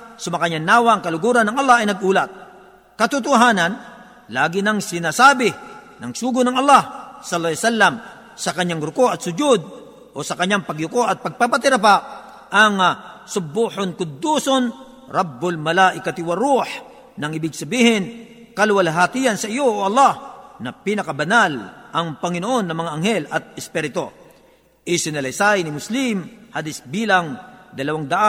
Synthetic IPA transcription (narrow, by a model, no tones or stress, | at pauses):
sʊmɐkaɲanaːwaɐŋkɐlʊɡuːɾanɐŋɐlˠːahɐjnɐɡuːlɐt̪̚ | kɐt̪ʊt̪ʊɦaːnɐn | laːɡɪnɐŋsɪnaːsaːbɪ | nɐŋsuːɡʊnɐŋɐlːahsɐlːˠasalːɐm | sɐkɐɲːaŋɾʊkoʔɐt̪sʊd͡ʒʊd̪̚ | ʔosɐkɐɲːaŋpɐɡʊkoʔɐt̪̚pɐɡ̚papat̪ɪɾap̬a | ʔɐŋsʊbuhonkʊd̪uːson | ɾɑbːʊlmɐlaːʔɪkɐt̪ɪwaɾuħ | nɐŋɪbɪɡ̚sɐbiːhɪn | kɐlʊwalɦaːt̪ijɐnsɐʔɪjoʔoʔɐlːahnɐpinɐkɐbɐnalʔɐŋpɐŋɪnoʔo̞nːɐmɐŋaʔːŋhɛlʔɐt̪̚ɛspɛɾɪt̪o | ʔɪsɪnɐlɐjsajnɪmʊslɪmhalɪsbiːlɐŋd̪ɐlɐwaŋd̪ɐʔa